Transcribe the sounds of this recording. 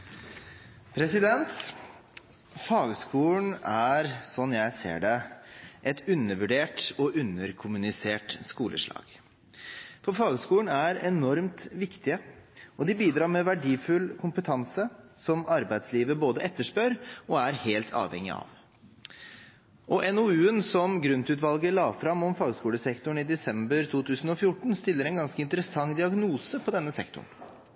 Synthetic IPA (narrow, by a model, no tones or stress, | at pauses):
pʰɾɛsɪd̪ɛnt̪ | fɑːɡəskuːln̩æɾsɔnjæɪsḛːɖɛʔɛt̪ʉnːəɾʋʉɖeːʈɔʔʉnːəɾkʰʊmʉnɪseːʈskuːlə̰ʂɭɑ̰ːɡ̥ | fɔɾfɑːɡəskuːəɳæɾɛnɔɾmt̪ʋɪkt̪ɪəɔd̪ɪbiːd̪ɾɑːɾmɛːʋæɖiːfʉlkʰʊmpət̪ʰɑnsəsɔmɑɾbæɪd̪sliːʋəboːd̪əʔɛt̪ːəʂpøːɾɔæɾheːlt̪ʰɑ̰ːʋɛ̰ŋːɪ̰ɑ̰ʋ | ʔɔʔɛnɔʉːənsɔmɡɾʉnt̪ʉːt̪ʋɑlɡəlɑːfɾɑmːɔmfɑːɡskuːləsɛkt̪ʊɳ̩ɪd̪ɛsɛmbəɾt̪ʰuːt̪ʰʉːsn̩ɔfjʊʈːɳ̩st̪ɪlːəɾɛɪnɡɑnskəɪnt̪əɾəsɑŋːd̪ɪɑɡnuːsəpʰɔd̪ɛnːəsɛ̰kt̪ʊ̰ɳ